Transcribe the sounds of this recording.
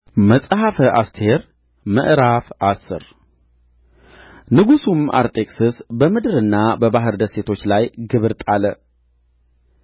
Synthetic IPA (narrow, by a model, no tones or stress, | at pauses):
məsʼɦafəʔast̪ʰe̞ɾ | mə̰ʔɾafasɨ̰ɾ | nɨɡusumʔa̰ɾt̪ʼe̞kʼsɨsbəmɨd̪ɨɾɨnːabəbaɦɨɾd̪əse̞t̪ʰo̞t͡ʃːlajɡɨβɨɾt̪ʼalə